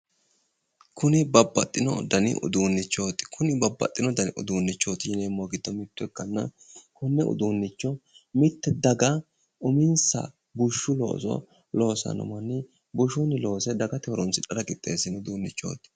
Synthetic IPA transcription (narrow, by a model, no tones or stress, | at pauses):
kʰʊnɪbɐbːɐt̪ʼːɪnɔ̰d̪ɐnɪ̰ʔʊ̰d̪uːnːɪt͡ʃːo̞ːt̪ɪ̥kʰʊnɪbɐbːɐ̰t̪ʼːɪnɔd̪ɐnɪʔʊ̰d̪uːnːɪt͡ʃːoːt̪ɪjɪneːmːoɡɪd̪ːɔmɪt̪ːʊɛkːɐnːɐ̰ | kʊnːɛʔʊ̰d̪uːnːɪt͡ʃːɔmɪt̪ːɛd̪ɐɡɐ | ʔʊmɪnsɐ̰ | bʊʃːʊlo̰ːsɔ̰ | lo̞ːsɐ̰nɐ̰mɐnɪ | bʊʃunɪlo̞ːsɛd̪ɐɡɐt̪ɛɔɾɔnsɪᶑɐlɐkʼɪt̪ʼːe̞̰ːsɪnʊd̪uːnːɪt͡ʃːo̰ːt̪ɪ̥